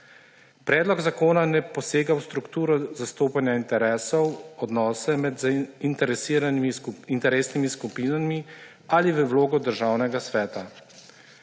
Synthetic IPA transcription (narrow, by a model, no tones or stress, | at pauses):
pɾɛːd̪lɔɡzakoːnanɛpɔseːɡawst̪ɾukt̪uːɾɔzast̪oːpanjaint̪ɛɾɛːsɔwɔd̪nɔːsɛmɛd̪zint̪ɛɾɛsiːɾanimiint̪ɛɾeːsnimiskupiːnami | aliʋəwloːɡɔd̪əɾʒaːwnɛɡasʋɛːt̪a